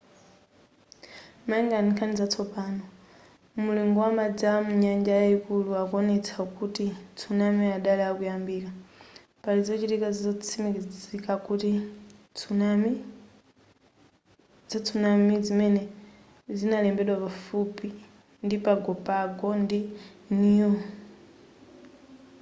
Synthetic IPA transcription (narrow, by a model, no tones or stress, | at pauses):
maɛŋɡaniŋkʰanizat͡sʰɔpaːnɔ | muliŋɡɔwamad͡zamuɲand͡ʒajaikuluakɔnɛt͡sʰakutit͡sʰunamiaɗalɛakujambiːka | palizɔt͡ʃitikazizɔt͡sʰimikizikakuti | unami | zat͡sʰunamizimɛnɛ | zinalɛmbɛɗwapafupi | ndipaɡɔpaɡɔndinijɔ